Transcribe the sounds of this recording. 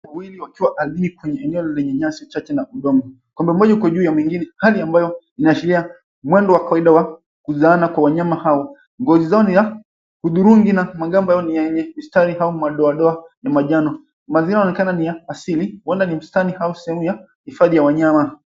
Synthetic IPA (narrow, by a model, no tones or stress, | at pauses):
awiliwakiwaʔalinikwɛɲɛɛnɛɔlɛɲɛɲasit͡ʃat͡ʃɛnauɗɔmɔ | kwɔmbɛmɔʄakwaʄuːjamwiŋɡinɛhaliambajɔ | inaʃiɾia | mwɛndɔwakawaiɗawa | kuzaːnakwawaɲamahawɔ | ŋɡɔzizaɔniza | huðuɾuŋɡinamaɠambajaɔnijɛɛɲɛhistaɾihaumaɗɔaɗɔanamaʄanɔ | mazinaɔnɛkananijaːsiliwɛndanim̩stanihausɛhɛmuja | hifaðijawaɲama